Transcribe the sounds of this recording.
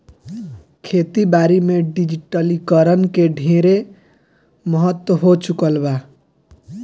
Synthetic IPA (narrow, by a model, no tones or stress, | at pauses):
kʰet̪ibaɾimeɖid͡ʒiʈəlikəɾənkeɖʱẽɾe | məɦət̪wəɦot͡ʃukəlba